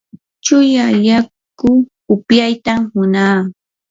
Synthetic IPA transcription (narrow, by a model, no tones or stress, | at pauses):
t͡ʃʊjaʎak | ʊ | ʊpjajt̪ahʊnaː